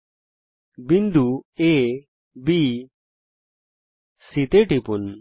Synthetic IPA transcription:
bind̪ue | bi | sit̪eʈipun

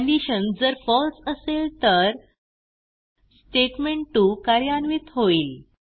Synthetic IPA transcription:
liɕənd͡zəɾfɔlsəselt̪əɾ | sʈeʈmeɳʈukaɾjanʋiːt̪ɦoiːl

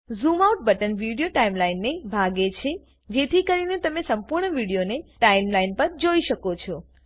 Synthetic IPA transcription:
zumauʈ̚bəʈənʋiɽijoʈaimlainːebʱaɡet͡ʃʰe | d͡ʒet̪ʰikəɾinet̪əmesəmpuɾɳəʋiɽijoneʈaimlainpəɾd͡ʒoiʃəkot͡ʃʰɔ

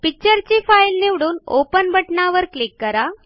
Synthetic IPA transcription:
pik̚t͡ɕəɾt͡ɕifajlniʋɽuːno̰pənbʱəʈɳaʋəɾklikːəɾa

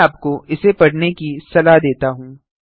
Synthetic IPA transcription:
aːp̚koɪsepɐɽnekisɐlad̪eːt̪aɦũː

